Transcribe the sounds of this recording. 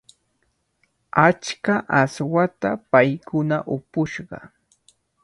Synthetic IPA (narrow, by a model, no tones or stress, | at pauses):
at͡ʃkaʔaswat̪apajkʊnaʔʊpʊʃɢɑ̰